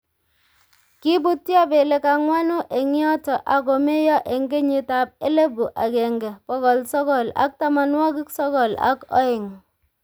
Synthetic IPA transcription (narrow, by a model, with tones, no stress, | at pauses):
kɪ˦bu˦tːja˦be˨le˨ka˨ŋwa˦no˦ʔe˨ŋjɔ˦tɔ˨ʔa˨ko˨me˦jɔ˦ʔe˨ŋɡe˦ɲɪ˨ta˨p̚e˦le˦bu˨ʔa˨kɛ˨ŋɡɛ˨pɔ˦kɔ˨lsɔ˦kɔ˨la̰˦k̚ta˦ma˨nwɔ˦kɪ˦ksɔ˦kɔ˨la̰˦kɔ̰˦ɪ˨ŋ